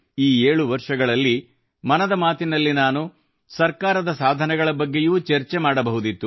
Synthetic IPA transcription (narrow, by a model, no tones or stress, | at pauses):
iːeːɭuʋɐɾʂɐɡɐɭɐlːi | mɐnɐd̪ɐmaːt̪inɐlːinaːnu | sɐɾkaːɾɐd̪ɐsaːd̪ʱɐnɛɡɐɭɐbɐɡːejuːt͡ʃeɾt͡ʃemaːɽɐbɐɦud̪it̪ːu